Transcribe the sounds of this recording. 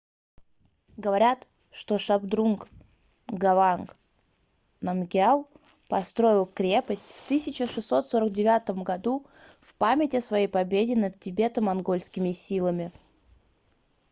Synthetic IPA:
ɡəvɐɾʲat̪ | ʂt̪o̞ʂɐbd̪ɾuŋk | ɡɐvank | nɐmɡʲalˠ | pɐst̪ɾo̞ɪlˠkɾʲe̞pəsʲtʲft̪ɨsʲɪt͡ɕɪʂɨsːo̞t̪so̞ɾəɡ̚dʲɪvʲat̪əmɡɐd̪u | fpamʲɪtʲɪsvɐjejpɐbʲedʲɪnət̪̚tʲɪbʲe̞t̪əmɐnɡo̞lʲsʲkʲɪmʲɪsʲilˠəmʲɪ

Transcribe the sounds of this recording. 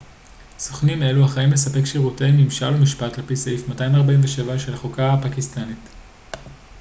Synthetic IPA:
soχnime̞luhaχaimle̞sape̞kʃiʁutemimʃalumiʃpatlepiseifmatajimaʁbainveʃe̞vaʃe̞laχokaapakistanit

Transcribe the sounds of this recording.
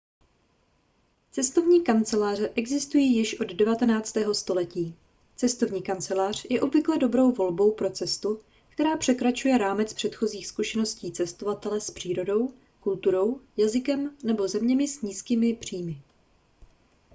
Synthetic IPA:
t͡sɛst̪o̞vɲiːkant͡sɛlaːr̝ɛʔɛɡzɪst̪ujiːjɪʃʔo̞ddɛvat̪ɛnaːt͡st̪ɛːɦo̞st̪o̞lɛciː | t͡sɛst̪o̞vɲiːkant͡sɛlaːr̝̥jɛʔo̞bvɪklɛdo̞bɾo̞wvo̞lbo̞wpɾo̞t͡sɛst̪u | kt̪ɛɾaːpr̝̥ɛkɾat͡ʃujɛɾaːmɛt͡spr̥ɛt̪xo̞ziːxskuʃɛno̞sciːt͡sɛst̪o̞vat̪ɛlɛspr̥iːɾo̞do̞w | kult̪uɾo̞wjazɪkɛmnɛbo̞zɛmɲɛmɪsɲiːskiːmɪpr̝̥iːmɪ

